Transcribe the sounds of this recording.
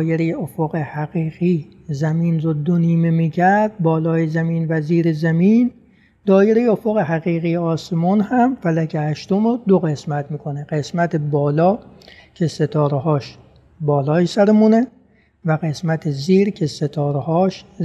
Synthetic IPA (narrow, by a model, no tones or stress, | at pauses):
jeɾejeʔofoɣehæɣiːɣiː | zæmiːnɾod̪oniːmemiːcʰæɾd̪̚bɒːlɒːjezæmiːnvæziːɾezæmin | d̪̥ɒːjeɾejeofoɣeɦæɣiːɣiːjeɒːsemuːnhæmfælækʰehæʃt̪omod̪oɣe̞smæt̪miːkʰoneɢ̥e̞smæt̪ʰebɒːlɒː | cʰe̞se̞t̪ʰɒːɾehɒːʃ | bɒːlɒːjesæɾemune | væɣe̞smæt̪ʰeziːɾkʰeset̪ʰɒːɾehɒːʃ